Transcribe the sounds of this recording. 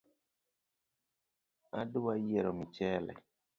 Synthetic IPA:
aduwajɛɾɔmit͡ʃɛlɛ̰

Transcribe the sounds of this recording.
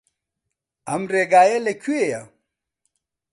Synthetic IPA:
ɐmɾeɡaːjelekʰueja

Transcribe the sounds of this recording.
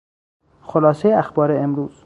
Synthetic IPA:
xolɒːsejeæxbɒːɾeemɾuːz̥

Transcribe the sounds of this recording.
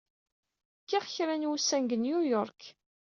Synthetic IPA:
kːiʁçɾænwusːænɡənjujɔɾˤk

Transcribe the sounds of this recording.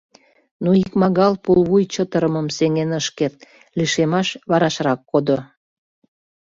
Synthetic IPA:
noikmɑɣɑlpulβujt͡ɕət̪əɾəməmseŋenəʃket̪̚ | liʃemɑʃβɑɾɑʃrɑkːod̪o

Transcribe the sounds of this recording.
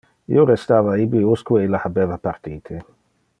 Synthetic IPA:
ḭoɾest̪aːvaibiuskweelahabɛvapart̪iːt̪ʰe

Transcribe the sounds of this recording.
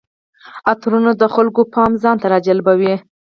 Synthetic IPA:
at̪ɾunod̪əxalɡopɑmzɑnt̪aɾɑd͡ʒalbawi

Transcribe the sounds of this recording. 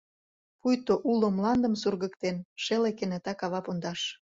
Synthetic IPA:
pujt̪oʔulomlɑnd̪ə̆msurɣə̆kt̪enʃelekenet̪ɑkɑβɑpond̪ɑʃ

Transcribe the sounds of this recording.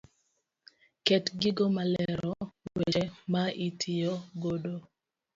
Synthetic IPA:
kɛtɡɪɡɔmalɛɾɔweemaʔitʰɪjɔɡodo

